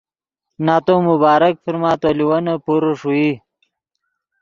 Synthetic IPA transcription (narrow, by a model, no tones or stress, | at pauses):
naːt̪omubaːɾɐk̚fiɾmaːt̪oliwɐnɐpuɾoʂui